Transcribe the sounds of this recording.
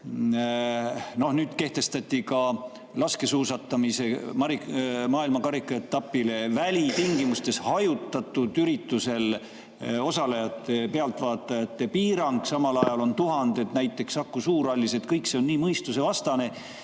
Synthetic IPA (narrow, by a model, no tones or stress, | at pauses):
no̞hnyːd̪̥ke̞ht̪e̞st̪ɑt̪ʲːˑikɑ | lɑske̞suːsɑt̪ːˑɑmise̞mɑɾimɑːilmɑkɑɾikːˑɑet̪ːɑpːile̞vælʲit̪iŋɡimust̪e̞shɑjut̪ːˑɑt̪ːˑud̪̥yɾit̪ːˑuse̞l | o̞sɑlejɑt̪ːˑe̞pe̞ɑlt̪ˑvɑːt̪ːˑɑjɑt̪ːe̞piːɾɑŋɡ̥sɑmɑlɑjɑlo̞nt̪uɦɑnd̪̥e̞t̪næjt̪ːˑe̞ksɑkːusuːɾɑlʲːise̞t̪kɤjkse̞o̞nnːiːmɤjst̪use̞vɑst̪ɑne̞